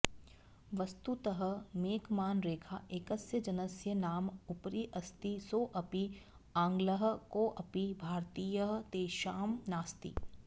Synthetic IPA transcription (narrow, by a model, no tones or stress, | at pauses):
ʋɐst̪ut̪əɦəmeːkmaːnɾeːkʰaʔekəsjəd͡ʒɐnəsjənaːmʊpɾiʔɐst̪isoːʔɐpi | ãːŋɡləɦkoːʔɐpibʱaːɾt̪iːjəɦt̪eːʃaːmnaːst̪ḭː